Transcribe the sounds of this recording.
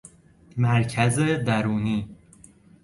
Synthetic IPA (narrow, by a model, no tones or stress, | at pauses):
mæɾcʰæzed̪æɾuːniː